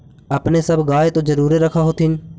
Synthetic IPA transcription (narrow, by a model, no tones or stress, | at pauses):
əpneːsəbʱɡaːet̪oːzəɾuːɾeɾəkʰaːɦoːt̪ʰɪn